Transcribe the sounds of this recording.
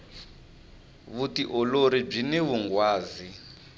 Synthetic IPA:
βutiʔɔloɾib͡ʐinɛβuŋɡwaːzi

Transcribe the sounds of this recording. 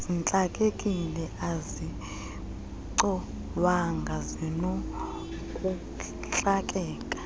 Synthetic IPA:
zint͡ɬʼakʼekʼilɛʔazi | ǀɔ | waŋɡʱazino | kʼu | ɬʼakʼɛːkʼḁ

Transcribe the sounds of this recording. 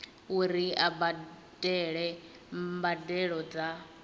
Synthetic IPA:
uɾiaba | d̥ɛɺɛ | mbadɛɺɔd͡za

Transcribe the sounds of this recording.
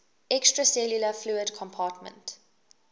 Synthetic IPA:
ɛkstɹəsɛljuləfluədkʰɔ̃mpʰɑːtmə̰̃nt

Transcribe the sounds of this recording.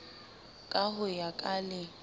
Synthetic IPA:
kʼahʊjakʼalɪ

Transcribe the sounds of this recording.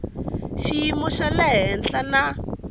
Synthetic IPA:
ʃiimɔʃalɛɦɛnt͡ɬana

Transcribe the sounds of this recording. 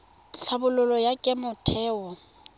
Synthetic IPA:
ɬʰabʊlʊlɔjakʼɪmʊtʰɛːwɔ

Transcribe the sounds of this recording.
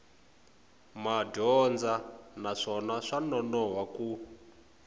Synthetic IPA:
madɔnd͡zanaʂɔnaʂanɔnɔɦwaku

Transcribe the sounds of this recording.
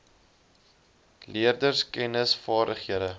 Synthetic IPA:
liərdərskɛnəsfɑːɾdəχhiəɾə

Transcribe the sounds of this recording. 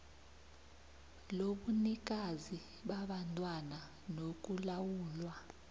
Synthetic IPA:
loɓunik̬ʼazi | ɓaɓantʼwana | nok̬ʼulawuːlwa

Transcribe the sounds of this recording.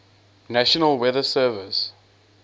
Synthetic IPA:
naʃənəlˠwɛðəsɜːvəs

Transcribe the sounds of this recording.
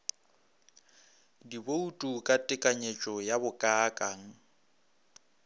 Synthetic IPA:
diboutʼukʼatʼɪkʼaɲet͡ʃʼɔjabʊkʼaːkʼaŋ̩

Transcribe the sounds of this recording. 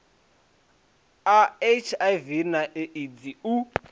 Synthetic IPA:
aet͡ʃʰavinaʔɛʔid͡ziu

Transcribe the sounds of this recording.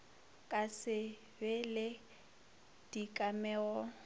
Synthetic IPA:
kʼasɪ | bɛlɪ | d̥ikʼamɛːɔ

